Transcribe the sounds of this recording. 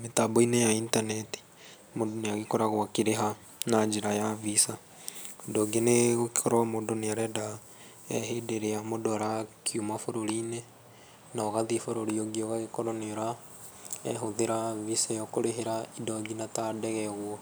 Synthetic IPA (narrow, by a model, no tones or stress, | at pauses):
metaboinejaintaneti̥ | modoneaɣikoɾaɣwakiɾeɦa | naɲd͡ʒiɾajavisa | idoɡineɣoki̥kɔɾoamodoneaɾɛda | ɛɦedeɾeamodoaɾakʰjumafoɾoɾine | naɣaðifoɾoɾioɡioɣaɣekoɾoneɾa | ɛ̰ɦoðeɾavisajokoɾeɦeɾaidoɡinatadɛɣɛɣwɔ